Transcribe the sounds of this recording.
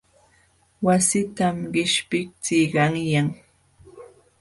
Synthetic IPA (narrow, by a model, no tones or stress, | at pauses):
wasɪt̪amɢɪʃpɪk̚t͡sɪjɢɑŋjaŋ